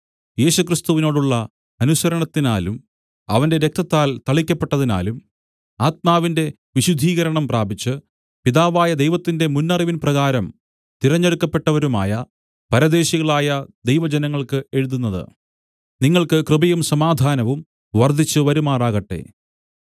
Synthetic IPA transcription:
je̞ːɕukrist̪uʋino̞ːɽuɭːɐ | ɐnusɐɾɐɳɐt̪ːinaːlum | ɐʋɐnde̞ɾe̞k̚t̪ɐt̪ːaːlt̪ɐɭikʲːɐpːe̞ʈːɐðina̰ːlum | aːt̪̚maːʋinde̞ | ʋiɕud̪ʱːiːɣɐɾɐɳɐmpraːbit͡ɕːɨ | piðaːʋaːjɐd̪ejʋɐt̪ːinde̞munːɐriʋinprɐɣaːɾɐm | t̪iɾɐɲːeɽukːɐpːe̞ʈːɐʋɐɾuma̰ːjɐ | pɐɾɐd̪e̞ːɕiɣɐɭaːjɐd̪ejʋɐd͡ʑenɐŋːɐɭkɨe̞ɻuðunːɐðɨ̰ | niŋːɐɭkɨkrɨbɐjumsɐmaːd̪ʱaːnɐʋum | ʋɐrd̪ʱit͡ɕːɨʋɐɾumaːraːɣɐʈːe̞̰

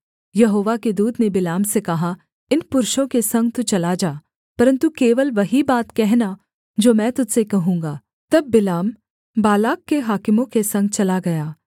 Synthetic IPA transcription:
jɐɦoːʋaked̪uːd̪nebɪlaːmsekɐɦa | ɪnpʊɾʃõkesɐ̃ŋɡ̚t̪ut͡ʃɐlad͡ʒaː | pɐɾə̃nt̪ukeːʋəlʋɐɦibaːt̪kɛɦna | d͡ʒoːmɛ̃ːt̪ʊd̪sekɐɦũːŋɡaː | t̪ɐbːɪlaːm | baːlaːkːeɦaːkɪmõkesɐ̃ŋɡt͡ʃɐlaɡɐjaː

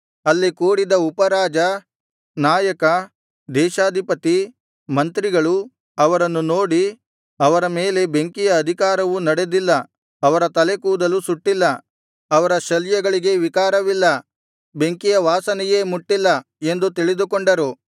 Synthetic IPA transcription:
ɐlːikuːɽid̪ɐupɐɾaːd͡ʒɐ | naːjɐkɐ | d̪ɛːʃaːd̪ʱipɐt̪i | mɐnt̪ɾiɡɐɭu | ɐʋɐɾɐnːuno̞ːɽi | ɐʋɐɾɐme̞ːle̞be̞ŋkijɐːd̪ʱikaːɾɐʋunɐɽe̞d̪ilːɐ | ɐʋɐɾɐt̪ɐle̞kuːd̪ɐlusuʈːilːɐ | ɐʋɐɾɐʃɐljɛɡɐɭiɡe̞ʋikaːɾɐʋilːɐ | be̞ŋkijɐʋaːsɐnɛje̞ːmuʈːilːɐ | e̞nd̪ut̪iɭid̪ukoɳɖɐɾu

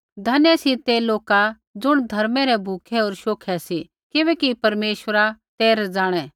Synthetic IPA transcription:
d̪ʱɐnjsit̪eloːka | d͡zʊɽ̃d̪ʱɐɾmɛɾɛbʱuːkʰɛoːɾʃoːkʰɛsi | kɪbɛkipɐɾmeːʃwəɾat̪eːɾd͡zaːɽ̃ɛ̃

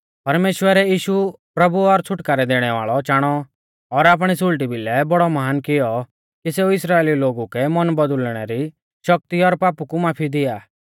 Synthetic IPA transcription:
pɐɾmeːʃwəɾɛjiːʃu | pɾɐbuɔɾt͡sʰʊʈkaːɾɛd̪eːɽ̃ɛʋa̰ːɭɔt͡ʃaːɽ̃ɔ | ɔɾaːp̬ɽ̃isʊlʈibɪlɛbɔɽɔmɐɦaːnkɪjɔ | kiseːuɪsɾaːeːliloːɡukɛmɐnbɐd̪ʊlɽ̃ɛɾi | ʃɐk̚t̪iɔɾpaːpukumaːpʰid̪ɪjaː

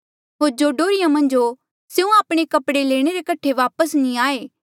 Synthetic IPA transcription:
ɦoːɾd͡ʒoːɖoːɾɪjãmɐ̃nd͡ʒo | seːũaːpɽ̃ekɐpɽeleːɽ̃eɾekɐʈʰeʋaːpəsnĩaːeː

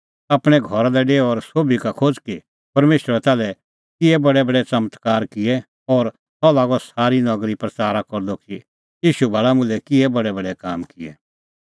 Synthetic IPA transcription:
aːpɽ̃ɛɡʱɔɾalɛɖeːɔɔɾsoːbikakʰoːd͡ʒki | pɐɾmeːʃɾɛt̪aːlɛ | kɪɛbɐɽɛbɐɽɛt͡sɐmət̪kaːɾkɪɛ | ɔːɾ | t̪ɔlaːɡɔsaːɾinɐɡɾipɾɐt͡saːɾakɔɾd̪oki | jiːʃubʱaɭamʊ̃lɛkɪɛbɐɽɛbɐɽɛkaːmkɪɛ

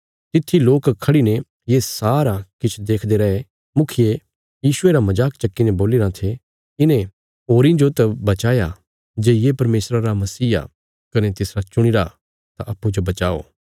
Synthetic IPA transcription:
t̪ɪt̪ʰːiloːkkʰːɐɽine | jesaːɾakɪt͡ʃʰd̪eːkʰd̪eɾɐɦe | mʊkʰɪje | jiːsʊeɾamɐd͡ʒaːkt͡ʃɐkːineboːlɪɾãt̪ʰe | ɪnẽ | ɦoːɾĩd͡ʒot̪ɐbɐt͡ʃaːja | d͡ʒeːjepɐɾmeːsɾaɾamɐsiːa̰ | kɐnet̪ɪsɾat͡ʃʊɽ̃ɪɾa | t̪aʔɐpːud͡ʒobɐt͡ʃaːo̰ː

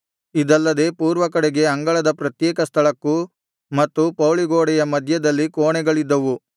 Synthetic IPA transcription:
id̪ɐlːɐd̪e̞ːpuːɾʋɐkɐɽeɡe̞ɐŋɡɐɭɐd̪ɐpɾɐt̪jɛːkɐst̪ʰɐɭɐkːu | mɐt̪ːupɐwɭiɡoːɽɛjɐmɐd̪ʱjɐd̪ɐlːikoːɳɛɡɐɭid̪ːɐʋu

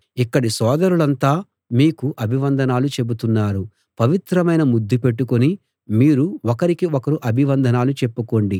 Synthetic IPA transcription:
ikːɐɽisɔːd̪ɐɾuɭɐnt̪aː | miːkuʔɐbʱiʋɐnd̪ʱɐnaːlut͡ʃe̞but̪unːaːɾu | pɐʋit̪ɾɐmɐjnɐmud̪ːipe̞ʈːukoni | miːɾuɔkɐɾikiɔkɐɾuʔɐbʱiʋɐnd̪ʱɐnaːlut͡ʃe̞pːuko̞ɳɖi

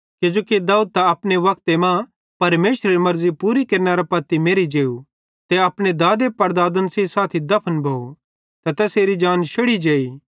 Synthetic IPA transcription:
ked͡ʒoːkid̪aːuːd̪̚t̪aɐpneʋɐk̚t̪emã | pɐɾmeːʃɾeɾimɐɾzipuːɾikeːɾnaɾapɐt̪ːimeːɾid͡ʒeːu | t̪eɐpned̪aːd̪epɐɾd̪aːd̪ənsisaːt̪ʰid̪ɐpʰənbʱoːu | t̪ɐt̪ɛseːɾid͡ʒaːnʃʰɐɽid͡ʒeːiː

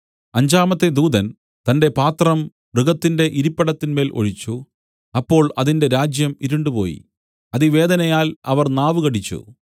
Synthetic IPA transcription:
ɐɲd͡ʑaːmɐt̪ːe̞d̪uːd̪ɐn | t̪ɐnde̞paːt̪rɐm | brɨɣɐt̪ːinde̞ʔiɾipːɐɽɐt̪ːinme̞ːlʔo̞̰ɻit͡ɕːu | ɐpːo̞ːɭɐðinde̞ɾaːd͡ʑjɐmiɾuɳɖupo̞̰ːjḭ | ɐðiʋe̞ːd̪ɐnɐjaːlɐʋɐrnaːʋɨɣɐɽit͡ɕːṵ

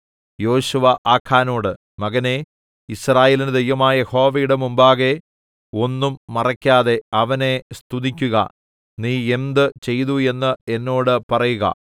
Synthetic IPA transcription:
jo̞ːɕuʋɐʔaːkʰːaːno̞ːɽɨ | mɐɣɐne̞ | israːjeːlinɨd̪ʱejʋɐmaːjɐjeho̞ːʋɐjuɽe̞mumbaːɣe̞ | o̞nːumːɐrɐkʲːaːðe̞ɐʋɐne̞st̪uðikʲːuɣɐ̰ | niːe̞nd̪ɨt͡ɕe̞jðue̞nːɨe̞nːo̞ːɽɨpɐrɐjuɣɐ̰

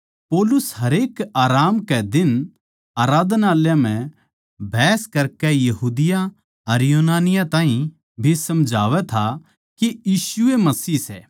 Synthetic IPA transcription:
poːlʊsɦɐɾeːkaːɾaːmkɛd̪ɪn | aːɾaːd̪ʱnaːljam̤ɛ̃ | bʱɛːskɐɾkɛjɐɦuːd̪ɪjã | ɐɾjoːnaːnɪjãt̪ãːɦĩ | bʱisɐmd͡ʒʱaːʋɛt̪ʰa | kejiːʃʊemɐsiːsɛː

